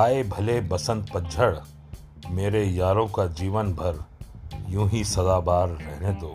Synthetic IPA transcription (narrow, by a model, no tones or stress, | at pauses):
aːebʱɐlebɐsə̃nd̪pɐd͡ʒʱəɽ | meːɾejaːɾõkad͡ʒiːʋənbʱɐɾ | jũːɦisɐd̪aːbaːɾːɛɦned̪oː